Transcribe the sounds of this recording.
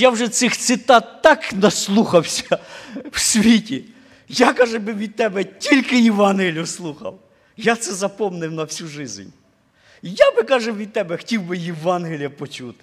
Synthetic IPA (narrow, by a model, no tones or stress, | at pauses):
jawʒɛt̪sɪxt̪sɪt̪ɑt̪ːɑknɐslˠuxɐwsʲɐwsʲʋʲitʲi | jakɑʒɛbɪʋʲid̪̚t̪ɛbɛtʲilʲkɪjɪʋɑnɦelʲʊslˠuxɐ̰w | jat̪sɛzɐpɔmnɪwnɐwsʲuʒɪzʲnʲ | jabɪkɑʒɛʋʲid̪̚t̪ɛbɛxtʲiwbɪjɪʋɑnɦelʲijɐpɔt͡ʃut̪ɪ̥